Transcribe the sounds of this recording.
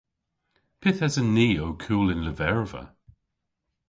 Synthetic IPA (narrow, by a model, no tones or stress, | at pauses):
pʰɪθazənːiːokʰuːlɪnləvɛɹvə̰